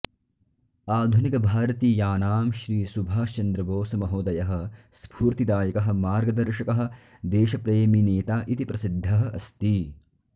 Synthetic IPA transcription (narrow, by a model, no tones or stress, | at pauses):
aːd̪ʱunikɐbʱaːɾɐt̪iːjaːnaːmʃɾiːsubʱaːʃt͡ʃɐnd̪ɾɐboːsɐmɐɦoːd̪ɐjɐɦɐ̆ | spʰuːɾt̪id̪aːjɐkɐɦɐ̆maːɾɡɐd̪ɐɾʃɐkɐɦɐ̆ | d̪eːʃɐpɾeːmineːt̪aːʔit̪ipɾʔɐsid̪ʱːɐɦɐɐst̪i